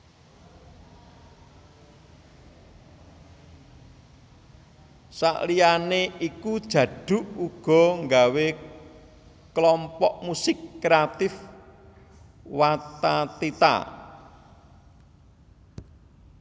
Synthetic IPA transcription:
sa̰ʔlianeikud̥ʒ̥ä̤ɖ̥ṳʔuɡ̥ɔ̤ŋɡawe | klɔmpɔʔmusɪkːɾeat̪ɪf | wat̪at̪it̪a̰

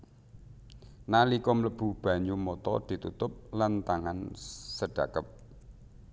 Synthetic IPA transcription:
nalikɔmləb̥ṳb̥ä̤ɲumɔt̪ɔ̰d̪̥i̤t̪ut̪ʊp̚lant̪aŋansəɖ̥ä̤kəp̚

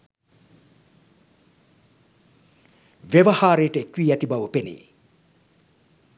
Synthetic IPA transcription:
ʋeʋɐhaːɾeːʈəkwiːɛt̪ibɐʋəpenḭ

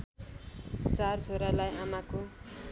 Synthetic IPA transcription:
t͡sart͡sʰoɾalajɦamako

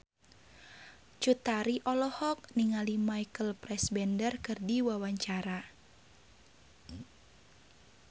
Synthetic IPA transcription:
t͡ʃut̪aɾiʔɔlɔhɔk̚niŋalimajkəlpɾɛsbɛndərkɨrdiwawaɲt͡ʃaɾa

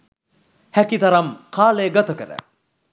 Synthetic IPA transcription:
hækit̪ɐɾɐmkʰaːlejɡat̪ɐkəɾə̰

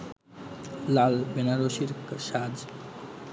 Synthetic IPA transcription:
lalbenaɾoʃiɾʃad͡ʑ

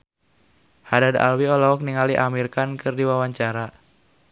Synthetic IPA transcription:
hadada̰lwiɔlaɔk̚niŋaliʔamirkankɨrdiwawaɲt͡ʃaɾa

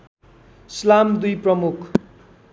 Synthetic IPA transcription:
slamd̪ujprʌmukʰ

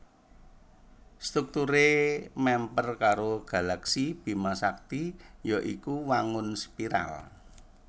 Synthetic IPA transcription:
st̪ɾuk̚t̪uɾemɛmpərkaɾoɡ̥ä̤laksib̥i̤masak̚t̪ijɔʔikuwaŋʊnspiɾa̰l

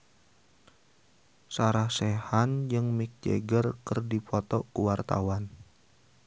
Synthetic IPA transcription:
saɾahsɛhand͡ʒɨŋmik̚d͡ʒḛɡərkərdipʰɔt̪ɔkuwart̪a̰wan

